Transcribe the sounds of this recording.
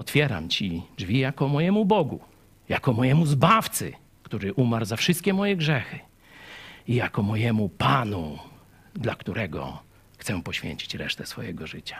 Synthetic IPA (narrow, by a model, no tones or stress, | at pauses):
ɔt̪fʲjɛɾa̰mt͡ɕid͡ʐvʲijakɔmɔjɛmubɔɡṵ | jakɔmɔjɛmuzbaft̪sɘ̰ | kt̪uɾɘʔumaɾzafʂɨst̪kʲɛmɔjɛɡʐɛxɘ | ijakɔmɔjɛmupanu | d̪lakt̪uɾɛɡɔ̰ | xt̪sɛpɔɕfʲjḛɲt͡ɕi̥t͡ɕɾɛ̰ʂt̪ɛsfɔ̰jɛ̰ɡɔʐɘt͡ɕḁ